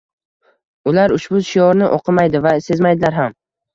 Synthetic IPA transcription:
ʊlaɾʊʃbʊʃɪjɒɾnɪʔɒqʰɨmajd̪ɪvase̞zmajd̪ɪlaɾɦam

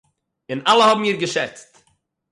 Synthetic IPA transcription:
ɪnalˠəhɔbm̩iːɾɡəʃɛt͡st

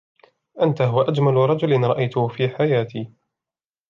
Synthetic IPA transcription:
ʔant̪aɦʊwaʔad͡ʒmalɾˤɑd͡ʒʊlɪnɾˤɑʔajt̪ʊfiːħajaːt̪ʰiː

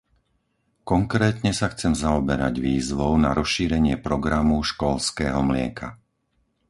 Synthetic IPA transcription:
kɔŋkɾɛːt̪ɲɛsaxt͡sɛmzaɔbɛɾa̰ɟʋiːzʋɔʊna̰ɾɔsʃiːɾɛɲɪɛpɾɔɡɾamuʃkɔlskɛːɦɔmlɪɛ̰kʰa̰

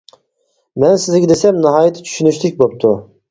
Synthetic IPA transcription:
mɛnsɪzɡʲɛd̪esɛmnɨɦɑːjɨt̪ʰːt͡ʃʰy̥ʃynyʃt̪ʰɪk̚ʲbop̚t̪ʰu

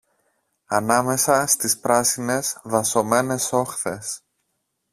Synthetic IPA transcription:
ɐnɐme̞sɐst̪ispɾɐsine̞zðɐso̞me̞ne̞so̞xθe̞s

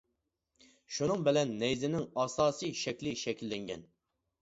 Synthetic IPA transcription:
ʃunɨŋbɪlɛnːɛjzɪnɪŋɑːsɑːsɨjʃɛkʲlɪʃɛkʲʰilːɛŋɡʲɛ̰n

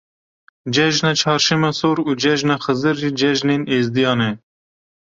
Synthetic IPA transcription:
d͡ʒɛʒnɑːt͡ʃʰɑːɾʃɛmɑːsoːɾuːd͡ʒɛʒnɑːxəzɨɾːiːd͡ʒɛʒneːneːzd̪ijɑːnɛ

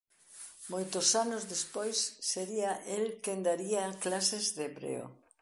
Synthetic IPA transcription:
mojt̪osanozðespojsːeɾiaʔelkend̪aɾiaklasezðeeβɾḛo̰

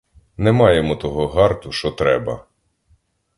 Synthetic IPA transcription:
nɛmɑjemɔt̪ɔɦɔɦɑrt̪ʊʃt͡ʃɔt̪ɾɛbɐ

